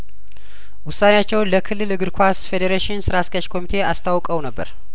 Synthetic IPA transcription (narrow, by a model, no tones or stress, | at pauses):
wʊsːanejat͡ʃːɛwnləkʰɨlːɨlɨɡɨɾkʰʷasfed̪eɾeʃɪnsɨɾaskat͡ʃkʰo̞mit̪ʰe̞ast̪ʰawkʼəwnəbːə̰ɾ